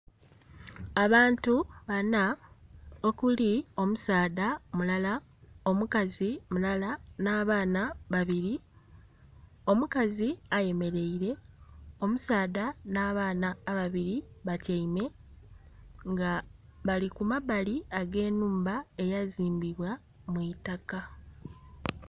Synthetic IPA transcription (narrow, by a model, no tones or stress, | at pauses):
aβaːntuβana | o̞kulio̞musaːdamulala | o̞mukazimulalanaːβaːnaβaβiɾi | o̞mukaziaje̞me̞ɾe̞iɾe̞o̞musaːðanaːβaːnaːβaβiɾiβacaime̞ | ŋɡaβalikumabaliaɡe̞ːnuːmbae̞jaziːmbiβwa | mwitaka